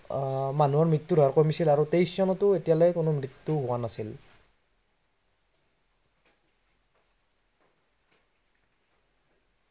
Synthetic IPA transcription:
manuɔɹmɹitːudʱɔɹkɔmisilaɹutejszɔnɔtʊetijalɛkʊnʊmɹitːuɦʊwanasil

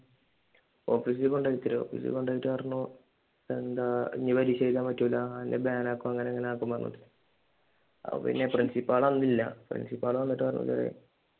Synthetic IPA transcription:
oːfiːs̬ilko̞ɳɖaːjit̪ːiɾɨo̰ːfḭːsḭl̰ko̞ɳɖaːjiʈːɨpɐrɐnːu | end̪aḭɲːɐbɐɾiɕejt̪aːmɐtːulːaainːebaːnaːkːumɐŋːɐneŋːɐneaːkːumpɐrɐnːṵt̪iɨ | ɐ̰pːɐ̰pḭnːe̞prinsipːaːɭɐnːilːɐ̰prḭnsipːaːɭɐnːɐtːɨpɐrɐnːṵlɐ̰rḛj̰

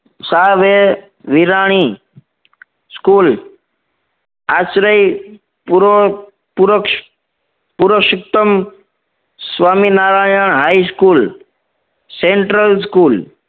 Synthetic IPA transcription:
saːʋe | ʋiɾaːɽ̃i | skuːl | asɾəj | puɾ | puɾk | puɾəkʃik̚t̪əm | sʋaːminaːɾaːjəɳ̃ɦaiskuːl | seɳʈɾəls̬kuːl

